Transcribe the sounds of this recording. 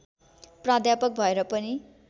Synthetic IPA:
prad̪japʌk̚bʱʌeɾʌpʌni

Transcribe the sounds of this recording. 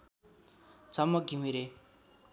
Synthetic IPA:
t͡sʰʌmːʌɡimiɾe

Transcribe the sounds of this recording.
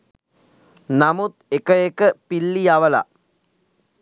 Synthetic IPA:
namut̪̚ekəekəpilːijaʋəla̰

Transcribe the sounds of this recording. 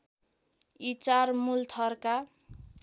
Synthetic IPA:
it͡sarmult̪ʰʌrka

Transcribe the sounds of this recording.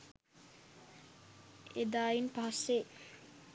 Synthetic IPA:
ed̪aːjinpaɦse

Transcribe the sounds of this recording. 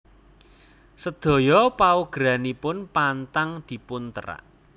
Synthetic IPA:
səd̪̥ɔ̤jɔpauɡ̥ɾa̤nipʊnpant̪aŋd̪̥i̤pʊnt̪əɾa̰ʔ

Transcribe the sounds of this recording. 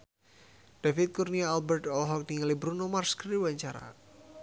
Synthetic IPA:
d̥afit̪̚kurniaalbɛrt̪ɔlɦɔk̚niŋalibɾunomarskriwaɲt͡ʃaɾa̰

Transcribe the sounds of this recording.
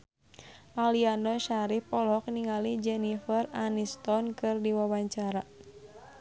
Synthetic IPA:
ʔaliandɔʃaɾihpɔlɦɔk̚niŋalid͡ʒɛnifəranist̪ɔnkɨrdiwawaɲt͡ʃaɾa

